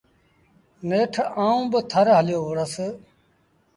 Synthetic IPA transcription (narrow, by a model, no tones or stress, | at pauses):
neːʈʰaːũːbət̪ʰəɾɦəljoːʋʊɽəs